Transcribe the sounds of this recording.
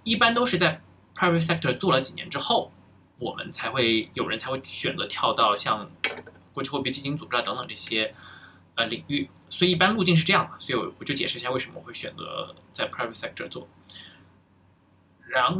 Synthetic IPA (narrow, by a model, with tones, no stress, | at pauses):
i˥˩pa˥nt̪o˥ʊʂɻ̩˥˧t͡sa˥˩ɪ | pʰɹa˥ɪvə˧˩sɛ˥k̚tʰə˧t͡swɔ˥˩lə˩t͡ɕi˨˩njɛ̰˧˥nʈ͡ʂɻ̩˥xo˥˩ʊ | wɔ̰˨˩mʔə̰˦nt͡sʰa˧˥ɪxwe˥˩ɪjo˨˩ʊɻə˧˥nt͡sʰa˧˥ɪxwe˥˩ɪ˩ɕɥɛ˨˩nt͡sɤ̰˧˥t̪ʰjɑ˥˧ʊt̪ɑ˥˧ʊɕjɑ˥˧ŋkwɔ˥˧t͡ɕʰy˥˧wɔ˥˧˩pi˥˧˩t͡ɕi˥˩t͡ɕi˧˥ŋt͡su˨˩ʈ͡ʂɻ̩˥˧˩t̪ŋt̪ɤ˨˩ŋʈ͡ʂɤ˥˩ɕjɛ˥ | ə˧li˨˩ŋy˥˩ | swɔ˧˥i˨˩i˥˩pa˥nlu˥˧t͡ɕi˥˧nʂ̬ɻ̩˥˧ʈ͡ʂɤ˥˧jɑ˥˩ŋə˩swɔ˧˥i˧wɔ˨˩t͡ɕjo˥˩ʊt͡ɕjɛ˨˩ʂɻ̩˥˧ɕja˥˧we˥˩ɪʂə˧˥mə˧˨˩xwe˥˩ɪɕɥɛ̰˨˩nt͡sɤ̰˧˥t͡sa˥˩ɪpʰɹa˥ɪvə˧˩sɛ˥k̚tʰə˨˧˩t͡swɔ̰˥˩ | ɻa˧˥n